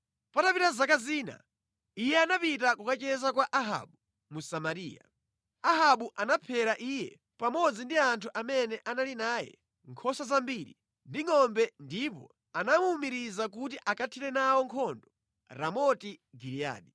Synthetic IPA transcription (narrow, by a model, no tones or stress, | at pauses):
patapitazakaziːna̰ | ijɛanapitakukat͡ʃɛzakwaʔaɦa̰ɓu | musamaɾiːja̰ | aɦaɓuʔanapʰɛɾaʔijɛ | pamɔd͡zindiantʰuʔamɛnɛʔanalinaːjɛ̰ | ŋkʰɔsazambiːɾḭ | ndiŋɔmbɛndipɔ̰ | anamuːmiɾizak̬utiʔakatʰiɾɛnawɔŋkʰɔndɔ | ɾamɔtiɡiɾia̰ːɗi